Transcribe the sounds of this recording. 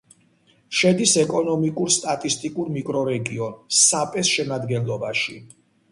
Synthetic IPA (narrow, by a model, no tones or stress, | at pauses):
ʃɛd̪isɛkʼɔnɔmikʼuɾst̪ʼat̪ʼist̪ʼikʼuɾmikʼɾɔɾɛɡiɔnsapʼɛsʃɛnad̪ɡɛnlˠɔbaʃḭ